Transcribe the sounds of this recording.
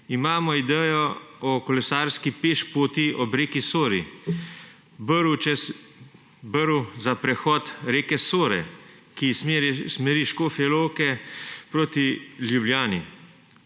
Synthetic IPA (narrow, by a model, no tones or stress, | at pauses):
imaːmɔid̪ɛːjɔɔkɔlɛsaːɾskipeʃpoːt̪iʔɔbɾeːkisoːɾḭ | bɾut͡ʃɛs | bəɾuzapɾɛxɔt̪ɾeːkɛsoːɾɛ̰ | kismɛɾiʃkoːfɛloːkɛpɾoːt̪iljubljaːnḭ